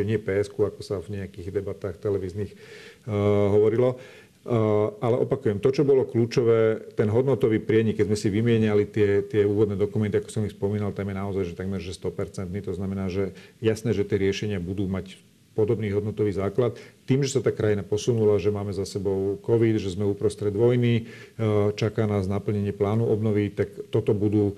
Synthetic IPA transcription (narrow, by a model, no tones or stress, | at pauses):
ɛɲɪɛpɛːɛskuakɔsavɲɛakiːɣd̪ɛbat̪aːxt̪ɛlɛʋiːzniːx | ɦɔʋɔɾilɔ | ʔalɛʔɔpakujɛmt̪ɔt͡ʃɔbɔlɔkluːt͡ʃɔʋɛːt̪ɛnɦɔd̪nɔt̪ɔʋiːpɾɪɛɲikːɛzmɛsiʋimɪɛɲalit̪ɪɛt̪ɪɛuːʋɔd̪nɛːd̪ɔkumɛnt̪iakɔ̥sɔmixspɔmiːnalt̪amjɛnaɔzajʒɛt̪aɡmɛɾʒɛst̪ɔpɛɾt͡sɛnt̪niːt̪ɔznamɛnaːʒɛjasnɛːʒɛt̪ɪɛɾɪɛʃɛɲɪabud̪uːmac | pɔd̪ɔbniːɦɔd̪nɔt̪ɔʋiːzaːklat̪ːiːmʒɛsat̪aːkɾajinapɔsunulaʒɛmaːmɛzasɛbɔʊkɔʋid̪ʒɛzmɛuːpɾɔst̪ɾɛd̪ʋɔjni | t͡ʃakaːnaːznapl̩ɲɛɲɪɛplaːnuʔɔbnɔʋit̪akt̪ɔt̪ɔbud̪uː